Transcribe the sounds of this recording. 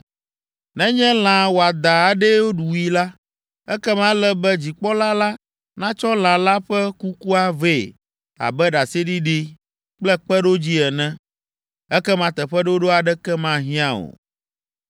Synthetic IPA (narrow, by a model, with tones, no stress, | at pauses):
nɛ̃˦ɲɛ̃˦l̃ã˨wo˨a˨d̪a˨a˨ɖɛ˦wo˦ɖu˨wi˦la˦ | ɛ˦kɛ˦mã˦lɛ˦bɛ˦d͡ʑi˨k͡pɔ˦la˦la˦ | nã˦t͡ʃɔ˦l̃ã˨la˦ɸɛ˦ku˦ku˦a˦ve˦˨ | a̰˨bɛ˦ɖa˨se˦ɖi˦ɖi˦ | k͡plɛ˦k͡pɛ˦ɖo˦d͡ʑi˦ɛ˨nɛ̃˦ | ɛ˦kɛ˦mã˨t̪ɛ˨ɸɛ˦ɖo˦ɖo˦a˨ɖɛ˦kɛ˦mã˦ɦĩ˦ã˦o̰˨